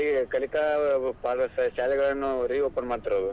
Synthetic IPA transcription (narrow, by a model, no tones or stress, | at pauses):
ikɐlikapasʃaːlɛɡɐɭɐnːuɾiːoːpɐnmaːɽt̪iɾoːd̪u